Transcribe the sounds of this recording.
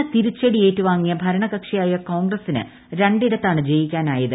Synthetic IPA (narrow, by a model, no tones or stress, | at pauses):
ɨt̪iɾut͡ɕːɐɽijeːtːɨʋaːŋːijɐbʱɐɾɐɳɐɣɐkʂijaːjɐko̞ːŋɡrɐsinɨ̰ | ɾeɳɖiɾɐt̪ːaːɳɨd͡ʑe̞jikʲːaːnaːjɐðɨ